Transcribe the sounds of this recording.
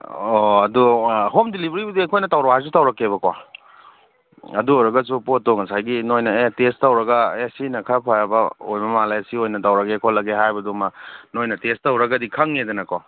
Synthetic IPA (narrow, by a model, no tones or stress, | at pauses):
oɐduɦomdilibɐɾibɐdiejkʰojnɐtawɾaajs̬utawɾɐkːeβɐkwa | ɐduojɾɐɡɐs̬upotoŋɐsajɡinojnɐetestawɾɐɡɐesinɐkʰapʰajabɐojmɐmalajɐsiojnɐtawɾɐɡekʰolɐɡeɦajbɐdumanojnɐtestawɾɐɡɐdikʰɐŋedɐnɐkwa